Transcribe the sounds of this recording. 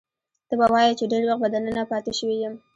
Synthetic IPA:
t̪əbawɑjət͡ʃeɖeɾwax̚bad̪anənapɑt̪eʃəwijəm

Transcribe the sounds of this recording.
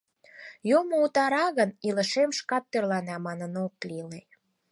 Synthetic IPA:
jomout̪ɑɾɑɣənilə̆ʃemʃkɑt̪ːørlɑnæmɑnənok̚lile

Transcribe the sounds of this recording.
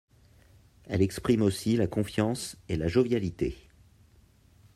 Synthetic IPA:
ɛ̰lɛkspχimosilakɔ̃fjɑ̃selaʒovjalit̪ḛ

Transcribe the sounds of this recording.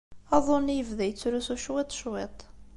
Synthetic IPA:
ɑðˤonːijəvðæjət͡sːɾusuʃwɪt̪ˤːʃwet̪ˤ

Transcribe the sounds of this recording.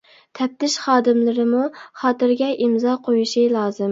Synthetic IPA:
t̪ʰɛp̚t̪ʰɪʃχɑːd̪ɪmlɪɾɪmuχɑːt̪ɨɾɡʲɛʔimzɑqʰojuʃilˠɑːzɨm

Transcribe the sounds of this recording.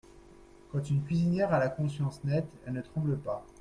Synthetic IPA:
kɑ̃t̪ynkʲɥizinjɛʁalakɔ̃sjɑ̃snɛt̪ɛlnət̪χɑ̃bləpa

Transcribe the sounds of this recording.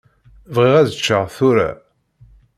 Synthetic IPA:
vʁiʁæðət͡ʃːəʁθuɾæ̰

